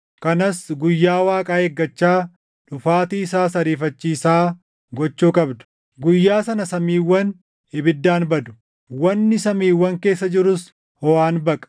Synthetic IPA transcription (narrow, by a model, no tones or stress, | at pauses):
kɐnɐsɡʊjːaːwaːkʼaːeɡːɐt͡ʃːaː | ᶑʊfaːt̪iːɪsaːsɐɾiːfɐt͡ʃːiːsaː | ɡɔt͡ʃːuːkʼɐbd̪ʊ̥ | ɡʊjːaːsɐnɐsɐmiːwːɐn | ɪbɪd̪ːaːnbɐd̪ʊ̥ | wɐnːɪsɐmiːwːɐŋke̞ːsːɐd͡ʒɪɾʊs | hɔwaːnbɐkʼɐ̥